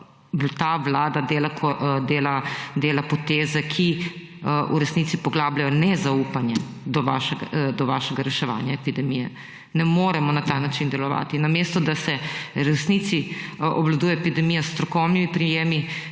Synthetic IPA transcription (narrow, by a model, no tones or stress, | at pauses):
t̪aːʋlaːd̪ad̪eːlakʰɔd̪eːlad̪eːlapɔt̪eːzɛkʰi | ṵɾɛsnit̪sipɔɡlaːblajɔnɛzaupanjɛ | d̪ɔʋaːʃɛɡd̪ɔʋaʃɛɡaɾɛʃɛʋa̰ːnjaɛpid̪ɛmijɛ | nɛmoːɾɛmɔnat̪aːnat͡ʃind̪ɛlɔʋa̰ːt̪inameːst̪ɔd̪asɛɾɛsnit̪siɔblad̪uːjɛɔepid̪ɛmijast̪ɾɔkɔwnimipɾijeːmi